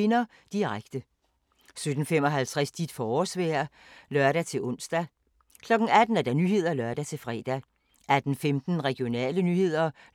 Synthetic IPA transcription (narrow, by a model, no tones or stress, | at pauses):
e̝nɐ | d̥iʁaɡ̥d̥ə | sød̥n̩fem̰ɒ̽ɦælt͡sʰʁasd̥id̥fɒɒsʋɛ̰ɐlɶɐɾæt͡sʰe̝lʔɔ̽n̰sd̥æ | kʰlɒ̽ɡ̥n̩æd̥n̩æɐd̥ɑ̈nyɦe̝ð̞̰ˠɐlœɐd̥æt͡sʰe̝lfʁɛ̰ːd̥æ | æd̥n̩femd̥n̩ʁɛɡ̥ijo̝nɛ̰ːlənyhe̝ð̞̰ˠɐ